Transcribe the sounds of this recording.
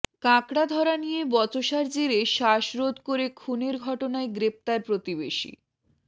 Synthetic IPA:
kãkɽad̪ʱɔɾanijebɔt͡ɕoʃaɾd͡ʑeɾeʃaʃɾod̪koɾekʰuneɾɡʱɔʈonaeɡɾep̚t̪aɾpɾot̪iβeʃḭ

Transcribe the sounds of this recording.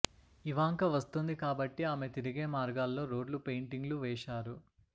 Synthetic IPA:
iʋaːŋkɐʋɐst̪und̪ikaːbɐʈːiaːmet̪iɾiɡe̞ːmaːɾɡaːlːo̞ːɾo̞ːɖlupe̞jɳʈiŋɡluʋɛːʃaːɾu

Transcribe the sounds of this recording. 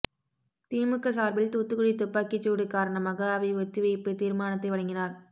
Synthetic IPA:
t̪iːmɯkːɐsaːɾbɪlt̪uːt̪ːɯkɯɽit̪ʊpːaːkit͡ʃːuːɽɯkːaːɾɐɳɐmaːɣɐːʋɐɪʋɐt̪ːɯʋɐpːɯt̪iːɾmaːnɐt̪ːɐɪʋɐɭɐŋɡɪnaːɾ

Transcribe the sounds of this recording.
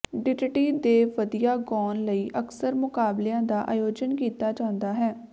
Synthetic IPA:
ɖɪd͡ʒʈiːd̪eːʋəd̪ijaːɡɔːnləiːʔəksəɾmʊkaːbleãːd̪aːʔa̰ːjoːd͡ʒənkiːt̪aːd͡ʒãːnd̪aːɦɛː

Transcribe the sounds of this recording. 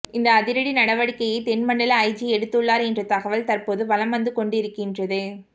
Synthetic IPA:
ɪnd̪ɐːðɪɾɐɽinɐɽɐʋɐɽɪkːɐjɐɪt̪ɛnmɐɳɖɐlɐːɪd͡ʒiɛɽɯt̪ːɯɭːaːɾɛndrɐt̪ːɐɣɐʋɐlt̪ɐɾpoːðɯʋɐlɐmɐnd̪ɯkɔɳɖɪɾɯkːɪndrɐðɯ

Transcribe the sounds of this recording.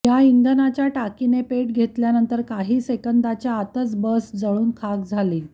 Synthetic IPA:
jaind̪ʱənat͡ɕjaʈakinepeʈ̚ɡʱet̪ljanənt̪əɾkaɦiːsekənd̪at͡ɕjaːt̪ət͡sbəsd͡zəɭuːnkʰak̚d͡zʱaliː

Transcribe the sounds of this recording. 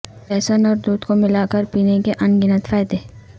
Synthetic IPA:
pɛːsənɔːɾd̪uːd̪komɪlaːkəɾpiːnekeʔɐnɡɪnət̪faːjd̪eː

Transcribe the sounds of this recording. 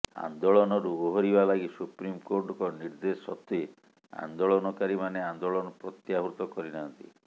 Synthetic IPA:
a̰nd̪oɭɔnɔɾuoɦɔɾibabaɡisupɾimkoɾʈɔkɔniɾd̪esɔt̪e | a̰nd̪oɭɔnɔkaɾimaneand̪oɭɔnɔpɾɔt̪jaɦuɾt̪ɔkɔɾinant̪ḭ

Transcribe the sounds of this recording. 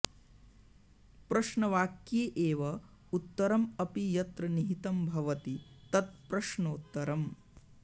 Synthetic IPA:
pɾɐʃnɐʋaːkjeːʔeːʋɐ | ut̪ːɐɾɐmɐpijɐt̪ɾɐniɦit̪ɐmbʱɐʋɐt̪it̪ɐt̪̚pɾɐʃnoːt̪ːɐɾɐm

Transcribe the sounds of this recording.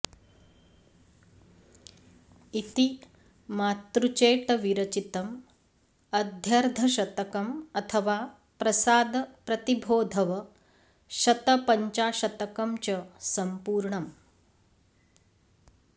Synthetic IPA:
it̪i | maːt̪ɾut͡ʃeːʈɐʋiɾɐt͡ʃit̪ɐm | ɐd̪ʱjɐɾd̪ʱɐʃɐt̪ɐkɐmɐt̪ʰɐʋaː | pɾɐsaːd̪ɐpɾɐt̪ibʱoːd̪ʱɐʋɐ | ʃɐt̪ɐpɐɲt͡ʃaːʃɐt̪ɐkɐmt͡ʃɐsɐmpuːɾɳɐm

